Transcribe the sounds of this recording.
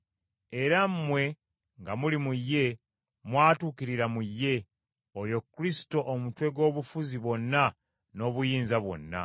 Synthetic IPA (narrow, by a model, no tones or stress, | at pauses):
e̞ɾammwe̞ | ŋɡamulimujːe̞ | mwaːtuːkiɾiɾamujːe̞ | ojo̞kːɾisi̥to̞ʔomutwe̞ɡo̞ːβufuziβwo̞nːa | no̞ːβujiːnzaβwo̞̰nːa̰